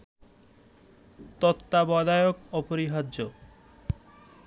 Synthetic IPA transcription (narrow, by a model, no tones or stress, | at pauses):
t̪ɔt̪ːabɔd̪ajokɔpoɾiɦado